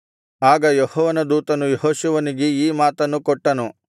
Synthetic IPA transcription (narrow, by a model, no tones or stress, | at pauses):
aːɡɐjɔhɔːʋɐnɐd̪uːt̪ɐnujeɦoːʃuʋɐniɡeiːmaːt̪ɐnːukɔʈːɐnu